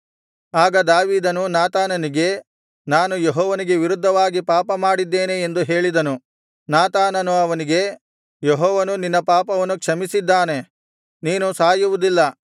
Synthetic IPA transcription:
aːɡɐd̪aːʋiːd̪ɐnunaːt̪aːnɐniɡe̞ | naːnujeɦɔːʋɐniɡe̞ʋiɾud̪ʱːɐʋaːɡipaːpɐmaːɽid̪ːe̞ːneːnd̪uɦe̞ːɭid̪ɐnu | naːt̪aːnɐnuɐʋɐniɡe̞ | jeɦɔːʋɐnuninːɐpaːpɐʋɐnːukʂɐmisid̪ːaːne̞ | niːnusaːjuʋud̪ilːɐ

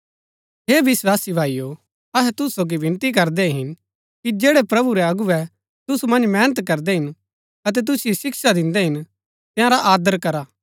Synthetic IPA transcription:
ɦeːʋɪswaːsibʱaːijo | ɐɦɛt̪ʊssoːɡiʋɪ̃nt̪ikɐɾd̪ɛɦɪn | kid͡ʒeːɽɛpɾɐbuɾɛɐɡuɛ | t̪ʊsumɐ̃nd͡ʒmɛːnət̪kɐɾd̪ɛɦɪn | ɐt̪̬ɛt̪̬ʊsiosɪksad̪ɪ̃nd̪ɛɦɪn | t̪ɪ̃ãɾaʔaːd̪əɾkɐɾaː

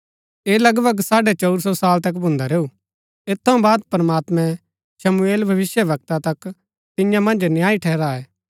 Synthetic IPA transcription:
eːlɐɡbəɡsaːɖet͡ʃɐʊɾsɔsaːlt̪ɐk̬bʱʊ̃nd̪aɾeːu | et̪ʰːɐ̃baːd̪pɾəmaːt̪mɛ̃ | ʃɐmueːlbʱɐʋɪsjəbɐk̚t̪at̪ɐk | t̪ɪ̃jãmɐ̃nd͡ʒnjaːiʈʰɛːɾaɛː

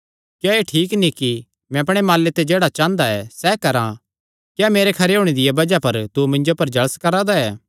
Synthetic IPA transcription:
kjaeʈʰiːkniki | mɛ̃ɐp̬ɽ̃emaːlːet̪ed͡ʒeːɽat͡ʃãːnd̪aɛsɛːkɐɾã̰ | kjaːmeːɾekʰɐɾeɦʊːɽ̃ed̪ɪjabɐd͡ʒapɐɾt̪umɪ̃ɲd͡ʒopɐɾd͡ʒɐɭəskɐɾad̪aɛː

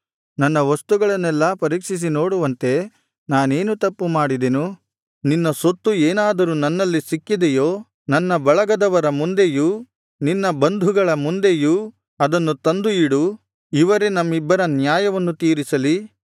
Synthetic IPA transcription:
nɐnːɐʋɐst̪uɡɐɭɐnːɛlːɐpɐɾiːkʂis̬inoːɽuʋɐnt̪e̞ | naːneːnut̪ɐpːumaːɽid̪enu | ninːɐsot̪ːueːnaːd̪ɐɾuːnɐnːɐlːisikːid̪ejoː | nɐnːɐbɐɭɐɡɐd̪ɐʋɐɾɐmund̪e̞ju | ninːɐbɐnd̪ʱuɡɐɭɐmund̪e̞ju | ɐd̪ɐnːut̪ɐnd̪uiɽu | iʋɐɾenɐmːibːɐɾɐnjaːjɐʋɐnːut̪iːɾisɐli

